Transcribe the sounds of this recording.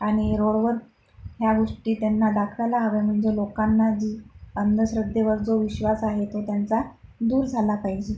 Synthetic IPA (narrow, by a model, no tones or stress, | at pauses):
aɽ̃iɾoɭʋəɾ | ɦjaɡoʂʈiːt̪janːad̪akʰʋalaɦəʋem̤əɳd͡zelokanːad͡ʑiːənd̪əɕɾəd̪ʱeʋəɾd͡zoʋiɕʋasaɦet̪ot̪jant͡sad̪uːɾd͡zʱalapaɦid͡ʑe